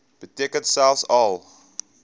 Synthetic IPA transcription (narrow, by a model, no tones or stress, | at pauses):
b̥ətiəkəntsælˠfsɐlˠ